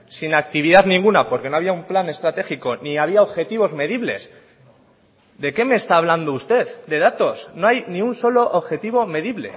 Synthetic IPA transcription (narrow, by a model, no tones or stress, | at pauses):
sinak̚t̪iβiðaðnĩŋɡunapo̞ɾke̞no̞aβiaumplane̞st̪ɾat̪e̞xiko̞niaβ̞iaoβxe̞t̪iβ̞o̞zme̞ðiβle̞s | d̪e̞ke̞me̞ːst̪aːβland̪oust̪e̞ðd̪e̞ðat̪o̞sno̞ajnĩunso̞lo̞ʔoβxe̞t̪iβ̞o̞me̞ðiβle̞̰